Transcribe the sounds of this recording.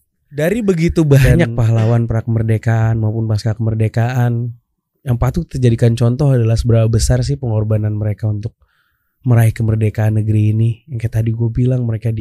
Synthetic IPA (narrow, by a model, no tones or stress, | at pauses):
daɾibəɡit̪ubaɲak̚paɦlawanpəɾakəmərdekaʔanmaupʊnpaskakəmərdekaʔan | jaŋpat̪ut̪ərd͡ʒadikant͡ʃɔnt̪ɔɦadalahsəbəɾapabəsars̬ɪhpəŋɔrbananməɾekaunt̪ʊk̚ | məɾaihkəmərdekaːnːəɡəɾiːnijaŋkajat̪adiɡuabilaŋməɾekadi